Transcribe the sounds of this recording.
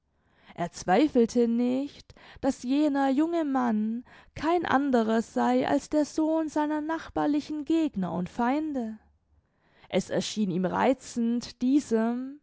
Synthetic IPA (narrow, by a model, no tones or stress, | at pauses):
ʔeːɐt͡sv̥aɪfl̩tʰənɪçtd̥asjeːnɐjʊŋəmankʰaɪnʔa̰ndəʁɐz̥aɪʔa̰lsd̥eːɐzoːnzaɪnɐnaχb̥aːɐlɪçn̩ɡeːɡnɐʊ̰ntfaɪndə | ʔɛsɛ̰ɐʃiːniːmʁa̰ɪt͡sn̩td̥iːzəm